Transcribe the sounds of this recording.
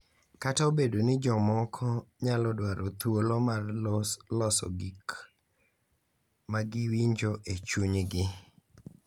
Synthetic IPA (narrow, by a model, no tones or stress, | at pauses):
kataobedonɪd͡ʒɔmɔkʰɔɲalɔdwaɾot̪wolomarlɔsɔ̰ɡik | maɡɪwiɲd͡ʒoʔet͡ʃuɲɡɪ